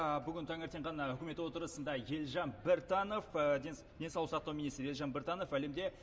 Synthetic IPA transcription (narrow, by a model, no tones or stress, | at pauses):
bʏɡʲɪnt̪ʰɑŋeɾt̪e̞ɴʁɑnɑʏkʲɪme̞t̪wot̪əɾəsənd̪ɑje̞lʲʒɑnbeɾt̪ɑno̞fe | d̪esɑlˠəsɑqt̪ɑwminist̪ɾje̞lʒɑnbeɾt̪ɑno̞fæle̞md̪e̞